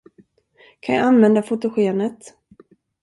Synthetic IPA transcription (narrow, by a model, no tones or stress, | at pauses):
kʰanjɑ̰anvɛnd̪afot̪ʊɧeːnət̪